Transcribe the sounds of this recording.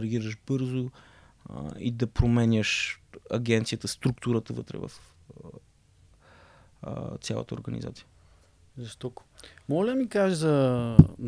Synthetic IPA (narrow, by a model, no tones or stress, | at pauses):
ɾɡʲiɾəʃbɤɾzo | ḭd̪ɐpɾomɛnʲəʃɐɡɛnt̪sijət̪əst̪ɾuk̚t̪uɾət̪əvə̰t̪ɾɛ̰və̰f | t̪sjalˠə̰t̪əo̰ɾɡəniza̰t̪sʲijə | zɐʃt̪ɔt̪ʊ̥mɔlʲd̪mikaʒizɐ